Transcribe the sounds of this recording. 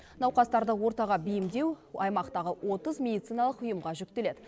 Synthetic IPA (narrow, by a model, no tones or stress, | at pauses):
nɑwqɑst̪ɑɾd̪əwo̞ɾt̪ɑʁɑbijɪmd̪e̞wɑjmɑqt̪ɑʁəwʔo̞t̪əzmʲe̞d̪ijt̪sijnɑlˠəqʊjəmʁɑʒʏk̚t̪e̞le̞d̪